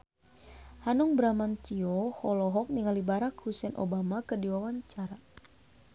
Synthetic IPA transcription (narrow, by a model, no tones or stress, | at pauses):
hanɔŋbɾamant͡ʃiɔhɔlɔɦɔk̚niŋalibaɾakhusɛnʔo̰bamakədiwawaɲt͡ʃaɾa